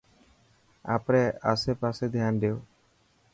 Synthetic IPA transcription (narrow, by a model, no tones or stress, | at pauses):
a̰pɾɛasɛpasɛd̪ʱjanɖeo